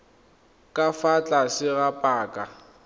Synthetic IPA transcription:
kʼafat͡ɬʼasɪɣapʼaːkʼa

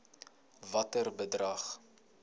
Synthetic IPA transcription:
vɐtərbədrɐχ

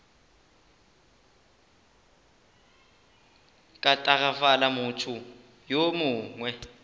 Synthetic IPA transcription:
kʼatʼaɣafalamʊtʰu | jomʊːŋwɛ

